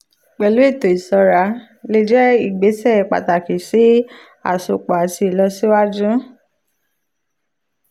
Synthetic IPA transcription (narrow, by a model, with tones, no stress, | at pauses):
k͡pɛ˨lu˨˦e˦˨to˨i˨sɔ˧ɾa˧˦ | le˧d͡ʒɛ˦i˦˨ɡ͡be˨˦sɛ˦˨k͡pa̰˨ta˨ki˨si˨˦ | a̰˨so˨k͡pa˨a˨ti˧˨lɔ˧si˦wa˦d͡ʒũ˦